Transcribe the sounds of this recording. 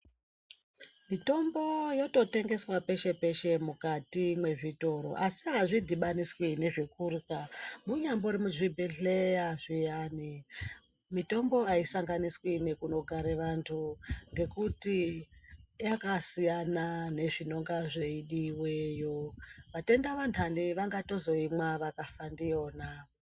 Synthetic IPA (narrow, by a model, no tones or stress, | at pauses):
mito̞mbo̞jo̞to̞te̞ŋɡe̞swape̞ʃe̞pe̞ʃe̞mukatimwe̞ʐito̞ɾo̞̰ʔasiɦaʐidʱiɓaniswine̞ʐikurkamuɲambo̞ɾimuʐibʱeɬejaʐijaːni | mito̞mbo̞aisaŋɡaniswine̞kuno̞ɡʱaɾeʋantʰuŋɡe̞kuti | jakasijanane̞ʐino̞ŋɡaʐe̞iɗiwejoʋate̞ndaʋantʰaniʋaŋɡato̞zo̞imwaʋakafandijo̞ːna